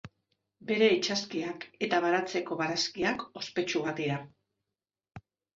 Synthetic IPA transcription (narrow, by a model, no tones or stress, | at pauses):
be̞ɾe̞it͡ʃaskiake̞t̪aβaɾat͡se̞ko̞βaɾaskiako̞spe̞t͡ʃuɣat̪iɾa